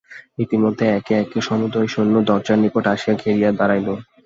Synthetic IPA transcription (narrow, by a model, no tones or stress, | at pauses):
it̪imod̪ʱːeɛkeɛkeʃɔmud̪ojʃonːod̪ɔɾd͡ʑaɾnipoʈaʃiaɡʱeɾijad̪aɾajlo